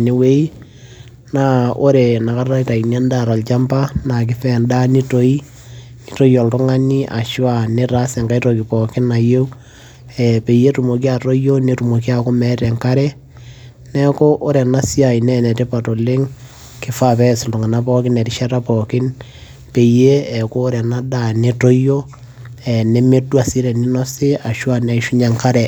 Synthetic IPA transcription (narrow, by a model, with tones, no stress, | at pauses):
ne˨˦we˦i˦ | na˦o˦ɾe˨na˨ka˦ra˦ta˨i˨na˦nda˦ɾa˨lt͡ʃa˦mpa˦na˨k̬ɪ˦fɛnda˦ni˦to˨˦i˦ | ni˦to˦jo˨ltʊ˦ŋa˦ni˦ʔa̰˨ʃwa˨ne˦ɾa˦se˨ŋɡa˦jtokɪ˨pɔ˨kɪ˦na˨jo˦w | ɛ˨pe˨je˦tu˨mo˨k̬i˦a˨to˦jo˦ne˦tu˨mo˨ki˦a˨ko˦mɛ˦tɛ˨ŋka˦ɾɛ˦ | nɛ˦ko˦ʔo˦ɾɛ˨na˦si˦a˨i˨nɛ˦nɛ˨te˦pa˨to˨le˦ŋ | kɪ˦fa˦pɛ˦sltʊ˨ŋa˨na˦pɔ˦kɪ˦nɛ˨ti˦ʃa˦ɾa˦pɔ˨kɪ˦n | pe˨je˦ɛ˨koː˦ɾɛ˨na˦da˨ne˨to˦jo˦ | ɛ˨ne˦me˦dwa˨si˦ɾɛ˨ni˦nɔ˦se˦a˨ʃwa˦nɛ˨ʃu˦ɲa˨ŋka˦ɾɛ˨